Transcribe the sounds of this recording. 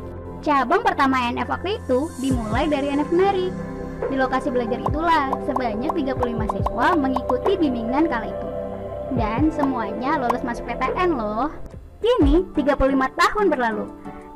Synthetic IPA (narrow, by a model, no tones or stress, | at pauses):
t͡ʃabaŋpərt̪amaɛnɛfak̚t̪it̪udimulajdaɾiɛnɛfnɛɾi | dilokasibəlad͡ʒaɾit̪ulahsəbaɲak̚t̪iɡapululimasɛksualməŋikut̪ibimiŋankalait̪udansəmuaɲalolʊsmasʊk̚pet̪eʔɛnlɔh | kinit̪iɡapululimat̪ahʊnbərlalu